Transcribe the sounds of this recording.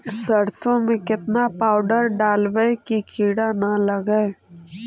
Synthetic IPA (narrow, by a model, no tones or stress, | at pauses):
səɾsõmẽkɪt̪napaːʊɖəɾɖaːlʋəekikʰiːɽanaləɡə